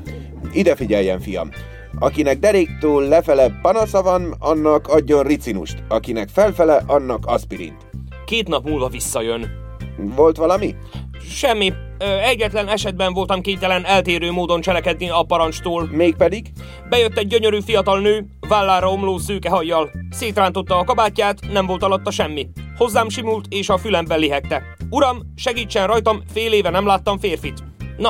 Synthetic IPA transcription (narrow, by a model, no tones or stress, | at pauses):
id̪ɛfiɟɛlːɛɱfijɒ̰m | ɒkinɛɡ̚d̪ɛɾeːkt̪oːlːɛfɛlɛpɒnɒsɒvɒnɒnːɒkʰɒɟːo̞nrit̪sinṵʃt̪ɒkinɛkfɛlfɛlɛʔɒnːɒkɒspiɾḭnt̪ | keːt̪nɒpmuːlvɒvisːɒjøn | vo̞lt̪ʋɒlɒmi | ʃɛmːi | ɛɟːɛt̪lɛnɛʃɛd̪̚bɛɱvo̞lt̪ɒmkeːnt̪ɛlɛnɛlt̪eːɾøːmoːd̪o̞nt͡ʃɛlɛkɛd̪niɒpɒɾɒnt͡ʃt̪oːlmeːk̚pɛd̪iɡ | bɛjø̞t̪ːɛɟ̚ːøɲø̞ɾyfijɒt̪ɒlnøː | vaːlːaːɾɒo̞mloːsøːkɛɦɒjːɒlseːt̪raːnt̪o̞t̪ːɒːkɒbaːcːaːt̪nɛmvo̞lt̪ɒlɒt̪ːɒʃɛmːiho̞zːaːmʃimult̪eːʃɒfylɛmbɛlːiɦɛk̪ːɛ | uɾɒm | ʃɛɡiːt͡ʃːɛnrɒjt̪ɒmfeːleːvɛnɛmlaːt̪ːɒɱfeːrfit̪ | nɒ